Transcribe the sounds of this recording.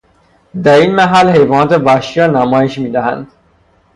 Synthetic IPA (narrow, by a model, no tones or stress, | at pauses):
d̪æɾiːnmæɦælhe̞jvɒːnɒːt̪ʰe̞væʃiɾɒːnæmɒːjeʃmiːd̪æhæ̰nd̪̥